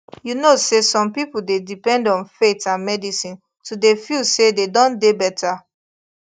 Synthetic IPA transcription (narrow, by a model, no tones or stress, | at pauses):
junosesɔ̃mpipuldedipɛ̃ndɔ̃nfetãnmɛdisĩn | tʰudefilsededɔ̃ndebɛtʰa